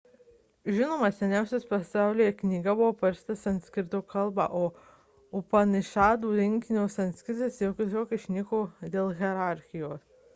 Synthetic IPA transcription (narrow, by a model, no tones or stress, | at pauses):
ʒʲɪnoːmɐsʲɛnʲæˑʊsʲɛspɐsɑˑʊlʲiːjɛknʲiːɡɐbʊʋoːpɐɾʲst̪ɐsɐnt̪ʲsʲkʲɪɾʲt̪oːkʰɐlˠbɑ̰ːʔoː | ʊpɐnɪʃɑːd̪uːɾʲɪŋʲkʲɪnʲɛːsɐnt̪ʲsʲkʲɪɾʲt̪ʲɪsjɛʊkʲɪt̪oːkʲɪʃʲnʲɪkoːd̪ʲeːlˠɣʲɛɾɑˑɾʲxʲɪjoːs